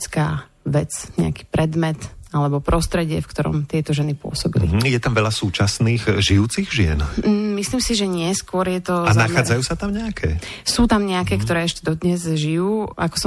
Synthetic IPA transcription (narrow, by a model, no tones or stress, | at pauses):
t͡skaː | ʋɛt͡sɲɛ̰a̰ki̥ːpɾɛd̪mɛt̪alɛbɔpɾɔst̪ɾɛɟɪɛ̰fkt̪ɔɾɔ̰mt̪ɪɛt̪ɔʒɛnipʊɔ̰sɔbḭlḭjɛt̪amʋɛlasuːt͡ʃasniːxʒijuːt͡siɣʒɪɛ̰n̩misliːmsiʒɛɲɪɛskʊɔɾjɛt̪ɔanaxaːd͡zajuːsat̪amɲɛakʰɛ̰ːsuːt̪amɲɛakɛːkt̪ɔɾɛːɛʃcɛd̪ɔd̪ɲɛzʒijuːʔa̰kɔ̥sɔ